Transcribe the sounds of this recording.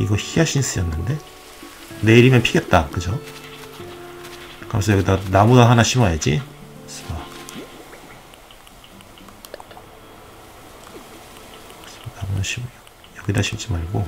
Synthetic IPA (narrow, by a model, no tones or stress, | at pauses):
iɡʌçiaɕʰiɲis͈ɯjʌnːɯnde̞ | ne̞iɾimjʌnpʰiɡe̞t̚t͈akɯd͡ʑo | kɯɾʌms̬ʰʌjʌɡidanamuɡaɦanaɕʰimajad͡ʑiɕ͈ʰima | namunaɕʰim | jʌɡidaɕʰimt͡ɕ͈imaɭɡo